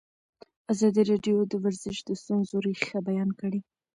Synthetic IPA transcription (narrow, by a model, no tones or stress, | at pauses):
azɑd̪iɾɑɖjod̪əwaɾzɪʃd̪əst̪unzoɾexabajɑnkəɽe